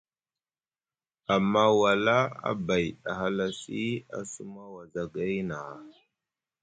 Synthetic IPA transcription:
a˨mːa˦wa˨la˦a̰˦ba˨jɗa˨ɦa˦la˦si˦a̰˦su˦ma˦wa˨za˨ɡa˦jna˨

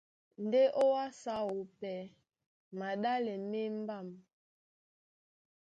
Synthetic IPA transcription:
n̩˨de˦ʔo˦wa˦sa˦wo˨pɛ˨ | ma˨ɗa˦lɛ˨me˦m˦ba˦˨m

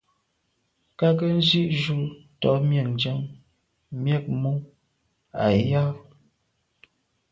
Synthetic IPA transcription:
ka˦k̬ə˦n̩˦d͡ʒi˦ʔʒu˦˨tɔ̰˨˦ʔmjɛ˨ŋ˨d͡ʒə˦ŋ | mjɛ˦k̚mu˦ | a̰˨ja˦

